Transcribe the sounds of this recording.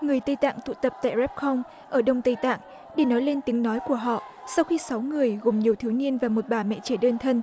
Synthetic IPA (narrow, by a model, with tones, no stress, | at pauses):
ŋɨ˨˩əjt̪ə˧jt̪a̰ː˧˨ŋt̪ʰṵ˧˨t̪ə˨˩p̚t̪a̰ː˧˨jzɛ˦˥p̚xɔ˧wŋ͡m | ʔəː˧˩ɗə˧wŋ͡mt̪ə˧jt̪a̰ː˧˨ŋ | ɗe˧˩nɔ˨˦jle˧nt̪i˨˦ŋnɔ˨˦jku˧˩əɦɔ̰˧˨ | sa˧wxi˧sa˨˦wŋɨ˨˩əjɣo˨˩mɲi˨˩əwt̪ʰi˨˦wni˧ənvaː˨˩mo˨˩t̚ɓaː˧˩mɛ̰˧˨t͡ɕe˧˩ɗəː˧nt̪ʰə˧n